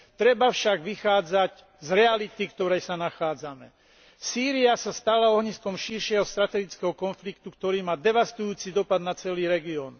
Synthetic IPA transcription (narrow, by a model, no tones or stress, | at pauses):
t̪ɾɛbafʃaɡʋixaːd͡zac | zɾɛalit̪ikt̪ɔɾɛjsanaxaːd͡zamɛ | siːɾiasast̪alaɔɦɲiskɔmʃiɾʃɪɛɦɔst̪ɾat̪ɛɡit͡skɛɦɔkɔnflikt̪ukt̪ɔɾiːmaːd̪ɛʋast̪ujuːt͡sid̪ɔpad̪nat͡sɛliːɾɛɡiɔːn